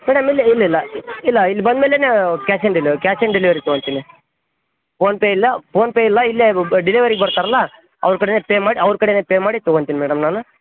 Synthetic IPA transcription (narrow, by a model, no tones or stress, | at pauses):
mɛːɽɐmilːiilːɐilːɐilːɐilːibɐnd̪meːlenekaːsɐɳɖilikaːsɐɳɖiliʋɐɾit̪ɔɡont̪iːni | poːnpeːilːɐpoːnpeːjilːɐilːeɖiliʋɐɾiɡebɐɾt̪aːɾɐlːa | ɐ̰ʋɾukɐɽeneːpeːmaːɽiɐʋɾkɐɽenepeːmaːɽit̪ɔɡont̪iːnimɛːɽɐmnaːnu